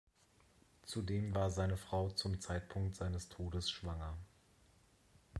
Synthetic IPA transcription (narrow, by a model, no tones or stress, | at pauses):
t͡sudeːmvaːɐzaɪnəfʁ̥aʊt͡sʊmt͡saɪtpʰʊŋk̚tz̥aɪnəstʰoːdəsʃv̥aŋɐ